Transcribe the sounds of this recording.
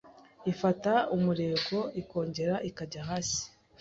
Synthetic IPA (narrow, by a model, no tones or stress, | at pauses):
ifataumuɾe̞ːɡo̞iko̞ːɲɟe̞ɾaʔikaɟaɦaːsi̥